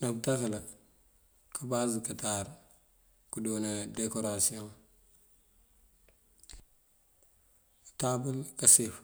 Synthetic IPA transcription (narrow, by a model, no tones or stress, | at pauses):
nɐbdaɣlɐ | kʰabazkɐtaɾ | kudonadekoɾasioŋ | tabulkɐsif